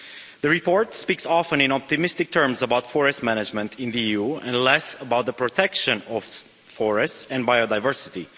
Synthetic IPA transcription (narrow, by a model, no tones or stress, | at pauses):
ðəɹipɔɹtspiksɑfə̃nɪ̃nɑp̚t̪ɨmɪstɨk̚tʰɜ˞mzəbaʊtfɔɹɛst̚mænɨd͡ʒmə̃ntʰɪ̃nðiiuɛ̰̃nlɛsəbaʊt̪̚ðəpɹɔtʰɛkʃɨ̃nɔv̥ | fɔɹɛstsɛ̃nbajodaɪvɜ˞sɪti